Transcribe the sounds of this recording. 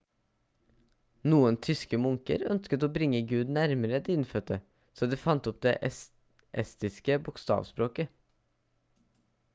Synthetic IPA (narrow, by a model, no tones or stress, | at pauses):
nuːənt̪ʰʏskəmʊŋkə̰ɾœnskət̪oːbɾɪŋːəɡʉːd̪næɾməɾəd̪ɪɪnfœt̪ə | soːd̪iːfɑnt̪ɔp̚d̪ḛːʔɛ | ʔɛst̪ɪskəbʊkst̪ɑ̰ːʋspɾoːkə